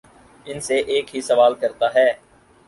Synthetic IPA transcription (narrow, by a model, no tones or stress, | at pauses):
ɪnseʔeːkɦisəʋaːlkəɾt̪aːɦɛː